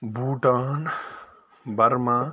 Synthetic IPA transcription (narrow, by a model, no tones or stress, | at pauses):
bʱuːʈaːn | bɐɾmãː